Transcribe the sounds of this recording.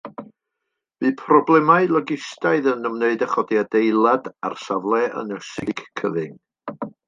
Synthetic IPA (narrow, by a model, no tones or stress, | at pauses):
viːpʰrɔblˠɛmaɨlˠɔɡɪstaɨðənəmneɨdaχɔdjadejlˠadarsavlˠɛʔə̰nəsɪɡ̥kʰəðɪŋ